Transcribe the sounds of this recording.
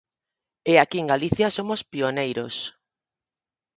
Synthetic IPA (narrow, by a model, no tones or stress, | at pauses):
eakieŋɡaliθjasomʊspionejɾos